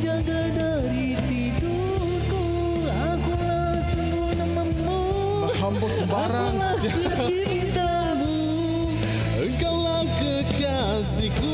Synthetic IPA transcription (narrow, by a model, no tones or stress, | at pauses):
d͡ʒaɡada | ɾi | t̪it̪u | k̪u | rakula | t͡ʃuŋɡunəmənːu | ɦampɔsəbaɾaŋla | init̪a | lu | əŋkawla | kə | ka | siku